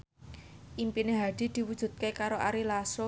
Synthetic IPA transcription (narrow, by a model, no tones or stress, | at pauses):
ʔimpineɦaɖ̪̥i̤d̪̥i̤wud̥ʒ̥ṳt̪̚kekaɾoʔaɾilaso